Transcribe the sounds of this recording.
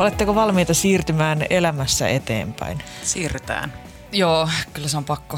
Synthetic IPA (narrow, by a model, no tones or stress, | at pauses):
olet̪ːekoʋɑlmiːt̪ɑsiːrt̪ymæːnelæmæsːæ̰ʔet̪ḛːmpæ̰insiːryt̪æ̰ːn | joːkylːæseompɑkːo